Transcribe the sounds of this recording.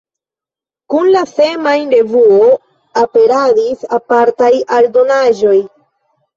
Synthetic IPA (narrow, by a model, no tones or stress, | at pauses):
kunlase̞majɾe̞vuo | ape̞ɾadisapaɾtajaldo̞naʒo̞j